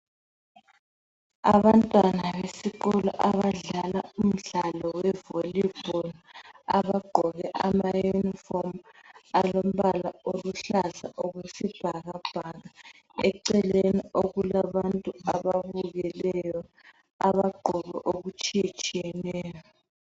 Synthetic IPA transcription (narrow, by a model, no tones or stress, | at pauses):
aβantʼwanaβesiɣɔlɔ̰ʔaβaɮalaum̩ɮalɔwɛvolib̥ʱɔla̰βaɡ͡ǃʱɔɣɛʔamajunifomalom̩βalaoluɬaza̰ʔoɣwesib̥ʱaɣab̥ʱaɣa | ɛǀɛlenioɣulaβantʼuaβaβuɣɛlɛjɔ | aβaɡ͡ǃʱɔɣɛ̰ʔoɣut͡ʃʼijat͡ʃʼiɛnɛːjɔ